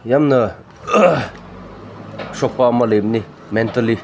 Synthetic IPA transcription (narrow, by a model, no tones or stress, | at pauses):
jamnə | ɕok̚pamalep̚ni | mɛnt̪ali